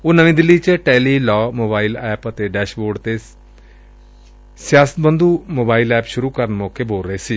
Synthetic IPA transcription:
oːnəʋĩːd̪ɪlːiːt͡ʃəʈɛːliːlɔːmoːbaːilɛːpət̪eːɖɛːʃboːɖt̪eː | sɪjaːsə̥t̪̚bənd̪uːmoːbaːilɛːpʃʊɾuːkəɾənmɔːkeːboːɾɾəeːsiː

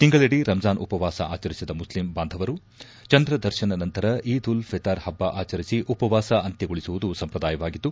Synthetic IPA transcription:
t̪iŋɡɐɭeɽiɾɐmzaːnʔupɐʋaːsɐa̰ːt͡ʃɐɾisid̪ɐmuslimbaːnd̪ʱɐʋɐɾu | t͡ʃɐnd̪ɾɐd̪ɐɾʃɐnɐnɐnt̪ɐɾɐʔiːd̪ulfʰɛt̪aːɾhɐbːaʔaːt͡ʃɐɾisiʔupɐʋaːsɐɐnt̪eɡoɭisuʋud̪usɐmpɾɐd̪aːjɐʋaːɡit̪ːu

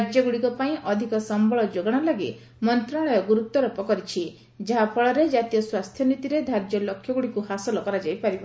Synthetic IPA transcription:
aɾd͡ʒjɔɡuɽikɔpaĩʔɔd̪ʱikɔsɔmbɔɭɔd͡ʒoɡɔɽ̃alaɡi | mɔnt̪ɾaɭɔjɔɡuɾut̪ːɔɾɔpɔkɔɾit͡ʃʰi | d͡ʒaɦapʰɔɭɔɾed͡ʒat̪ijɔswast̪ʰjɔnit̪iɾed̪ʱaɾd͡ʒjɔlokʰjɔɡuɽikuhasɔlɔkɔɾad͡ʒajpaɾib

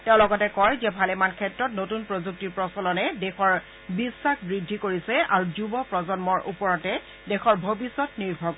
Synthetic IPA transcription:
tɛʊ̃lɔɡɔtɛkɔɹzɛbʱalɛmankʰɛtɹɔtnotunpɹozuk̚tiɹpɹɔsɔlɔnɛdɛxɔɹ | bisːaxbɹidʱːikoɹisɛaɹuzubɔpɹɔzɔnmɔɹʔṵpɔɹɔtɛ | dɛxɔɹbʱobisːɔtniɹbʱɔɡ

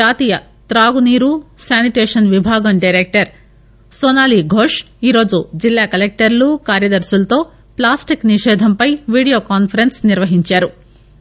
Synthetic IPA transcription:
aːt̪iːjɐ | t̪ɾaːɡuniːɾusaːniʈeːʂɐnʋibʱaːɡɐmɖɐjɾeːk̚ʈɐɾ | soːnaːliːɡʱoːʂ | iːɾo̞ːd͡ʒud͡ʒilːaːkɐlek̚ʈɐɾlukaːɾjɐd̪ɐɾsulɐt̪o̞ː | plaːsʈikniʂɛːd̪ʱɐmpɐjʋiːɽijoːkaːnpʰɐɾensniɾʋɐɦiɲt͡ʃaːɾu

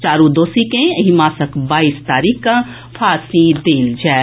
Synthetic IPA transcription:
t͡ʃaːɾũd̪oːsikẽɦimaːsəkbaːiːst̪aːɾiːkã | pʰaːsid̪eːld͡ʒaː

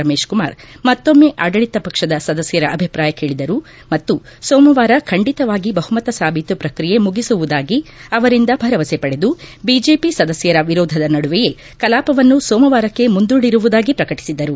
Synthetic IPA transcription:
ɾɐmeːʂkuma̰ːɾmɐt̪ːo̞mːe̞ʔaːɡɐɭit̪ɐpɐkʂɐd̪ɐsɐd̪ɐsjɐɾɐʔɐbʱipɾaːjɐkeːɭid̪ɐɾu | mɐt̪ːusoːmɐʋaːɾɐkʰɐɳɖit̪ɐʋaːɡibɐɦumɐt̪ɐsaːbʱit̪upɾɐkɾije̞muɡisuʋud̪aːɡiɐʋɐɾind̪ɐbʱɐɾɐʋɐsepɐɽe̞d̪ubid͡ʒe̞ːpisɐd̪ɐsjɐɾɐʋiɾɔːd̪ʱɐd̪ɐnɐɽuʋɛje̞ | kɐlaːpɐʋɐnːusɔːmɐʋaːɾɐkːe̞mund̪uːɽiɾuʋud̪aːɡipɾɐkɐʈi̥sid̪ɐɾu

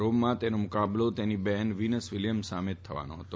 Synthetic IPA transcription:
ɾomːãt̪enomʊkablot̪enibɛnʋinəsʋiljəmsamett̪ʰːəʋa̰no̰ɦət̪o

